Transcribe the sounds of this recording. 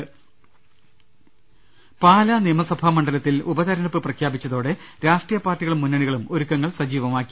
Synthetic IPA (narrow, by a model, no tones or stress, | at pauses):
paːlɐnijɐmɐsɐbʱaːmɐɳɖɐlɐt̪ːilubɐðɐɾɐɳɐpːɨprɐkʰjaːbit͡ɕːɐðo̞ːɽe̞ɾaːʂʈrijɐpaːrʈːiɣɐɭumːunːɐɳiɣɐɭumoɾukːɐŋːɐɭsɐd͡ʑiːʋɐmaːkːi̥